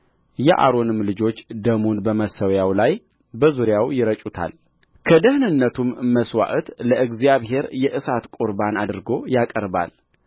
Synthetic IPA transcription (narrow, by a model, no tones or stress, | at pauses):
jɛʔa̰ɾo̞nɨmlɨd͡ʒo̞t͡ʃːd̪əmonbəməsəwjawlaj | bəzuɾjawjɪɾət͡ʃʼut̪ʰa̰l | kʰəd̪əhnɨnːət̪ʰumːəswa̰ʔət̪ləʔɨɡzijaβɦe̞ɾjɛʔɨsat̪kʼuɾbanad̪ɨɾɡo̞jakʼəɾba̰l